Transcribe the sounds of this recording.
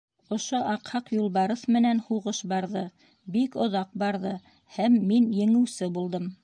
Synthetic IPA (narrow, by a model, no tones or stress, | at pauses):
ŏʃoʔɑqhɑqjulˠβɑɾɤθmɘ̆nænhuʁɤʃbɑɾðɤ | bikŏðɑq̚bɑɾðɤ | hæmːinjɘ̆ŋɘ̆wsɘbulˠd̪ɤm